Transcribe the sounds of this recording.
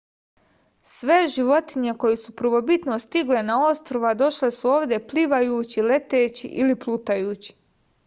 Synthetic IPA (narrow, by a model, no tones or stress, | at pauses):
sʋe̞ʒiʋo̞t̪iɲe̞ko̞jesupr̩ʋo̞bit̪nost̪iɡle̞nao̞st̪ɾoʋad̪o̞ʃle̞suo̞ːʋd̪ʲje̞pliʋajuːt͡ɕile̞t̪eːt͡ɕḭʔiliplˠuːt̪ajuːt͡ɕi̥